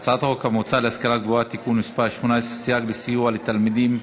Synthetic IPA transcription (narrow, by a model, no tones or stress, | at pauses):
t͡saat̪aʁokamot͡salehaskalaɡvoat̪ikunmispaʃmonaesʁesijaɡlesijualet̪almid̪im